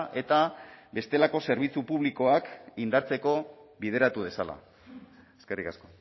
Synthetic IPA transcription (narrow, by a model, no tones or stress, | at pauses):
ʔe̞t̪aβe̞st̪e̞lako̞se̞ɾβ̞it͡supuβliko̞akind̪aɾt͡se̞ko̞βið̞e̞ɾat̪uð̞e̞sala̰ | eske̞rikasko̞